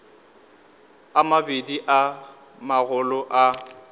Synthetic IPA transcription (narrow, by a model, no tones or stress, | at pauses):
amabediʔa | maɣʊlʊʔa